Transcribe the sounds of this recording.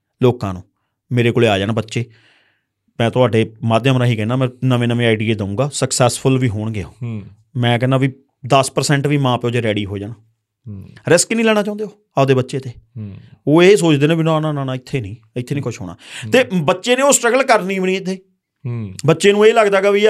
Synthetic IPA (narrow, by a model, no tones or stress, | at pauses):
loːkãːnũː | meːɾeːkoːleːaːd͡ʒaːnaːbətːʃeː | mɛ̃ːt̪ʊɦaːɖeːmaːd̪eəmɾaːɦiːkɛːnaːmɛ̃ːnəʋẽːnəʋẽːaːɪɖiːeːd̪əũːɡaːsəksɛːspʰʊlʋiːɦoːɳɡɪa̰ | mɛ̃ːkɛːnãːʋiː | d̪əspəɾsɛ̃ːɳʈʋiːmãːpeoːd͡ʒeːɾɛːɽiːɦoːd͡ʒaːnaː | ɾɪsknĩːlɛːnaːt͡ʃaːnd̪eːoː | aːd̪eːbətːʃeːt̪eː | oːeːsoːt͡ʃd̪eːneːbɪnãːnãːnaːnãːɪt̪ʰːeːnĩː | ɪt̪ʰːeːnĩːkʊt͡ʃʰɦo̰ːna̰ːt̪eːbətːʃeːneːoːsʈɾəɡəlkəɾniːbəɳĩːt̪ʰːeː | bətːʃeːnũːeːləɡd̪aːɡaːʋiː